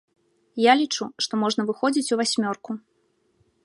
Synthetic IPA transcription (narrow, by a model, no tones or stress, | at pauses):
jalʲit͡ʂuʂt̪ɔmɔʐnɐvɨxɔd͡zʲit͡sʲuvasʲmʲɔrku